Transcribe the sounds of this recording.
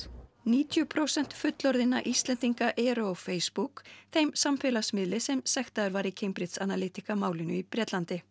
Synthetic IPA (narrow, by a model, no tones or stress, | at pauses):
niːt̪ʰjʏpʰɾowsɛn̥t̪fʏt̪lɔɾðɪnːa̰ʔist̪lɛnt̪iŋkaʔɛɾʏɔfeːjspukθejmsamfɛlasmɪðlɪsɛmsɛxt̪aðʏɾvaɾicʰejmpɾɪt̪sanalɪːt̪ikamaːwlɪnʏipɾjɛt̪lant̪ɪ